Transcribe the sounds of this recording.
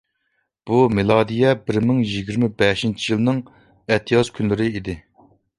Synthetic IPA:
b̥umɪlˠɑːd̪ijɛbɪɾmɪŋjiɡʲiɾmɪbɛʃint͡ʃʰijilˠnɨŋ | ɛt̪ʰijɑzkʲʰynlɪɾɪid̪ɪ

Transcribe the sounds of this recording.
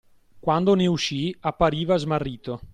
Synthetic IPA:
kwand̪oneuʃːiapːaɾiːvazmarːiːt̪o

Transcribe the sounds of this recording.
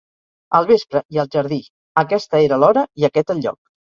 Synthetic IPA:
əlˠβespɾəiəlˠʒəɾði | əkɛst̪əeɾəlɔɾəiəkɛt̪əlʎːɔ̰k̚

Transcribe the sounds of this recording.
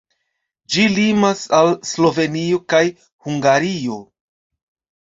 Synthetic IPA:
d͡ʒilimasalslo̞ve̞nio̞kaj | huŋɡaɾio̞

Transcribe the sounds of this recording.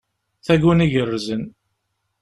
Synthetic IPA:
θæɡəniʝərːzən

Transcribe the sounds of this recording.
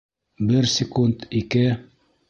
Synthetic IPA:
bɘɾsʲɪkund̪ikɘ

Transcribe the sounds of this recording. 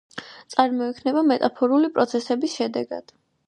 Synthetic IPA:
t̪sʼaɾmɔɛkʰnɛbamɛt̪ʼapʰɔɾulipʼɾɔt̪sʰɛsɛbisʃɛd̪ɛɡa̰d̪̥

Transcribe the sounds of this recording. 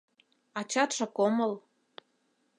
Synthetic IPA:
ɑt͡ɕɑt̪ʃɤ̆koməl

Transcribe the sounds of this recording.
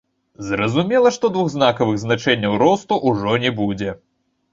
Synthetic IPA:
zrɐzumʲɛlˠɐʂt̪ɔd̪vuɣznakɐvɨɣznat͡ʂɛnʲːɐwɾɔst̪uʔuʐɔnʲɛbud͡zʲɛ

